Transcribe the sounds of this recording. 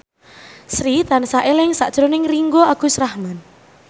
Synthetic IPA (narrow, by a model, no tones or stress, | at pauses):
sɾit̪ansaʔelɪŋsa̰ʔd̥ʒ̥ɾonɪŋriŋɡoaɡ̥ṳsɾahman